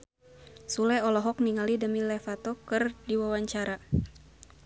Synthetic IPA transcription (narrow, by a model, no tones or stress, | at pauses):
sulɛɔlɔɦɔk̚niŋalidəmilɛfat̪ɔkərdiwawaɲt͡ʃaɾa